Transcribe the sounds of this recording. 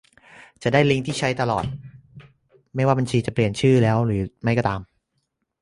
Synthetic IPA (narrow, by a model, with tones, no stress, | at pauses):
t͡ɕa˨˩daː˥˩jli˦˥ŋt̪ʰiː˥˩t͡ɕʰa˦˥jt̪a˧lɔ̰ː˨˩t̪̚ | ma˥˩jwaː˥˩ba˧nt͡ɕʰiː˧t͡ɕa˨˩pli˨˩ənt͡ɕʰɯː˥˩lɛː˦˥wɾɯː˩˦ma˦˥˩jkɔː˧˩t̪aː˧m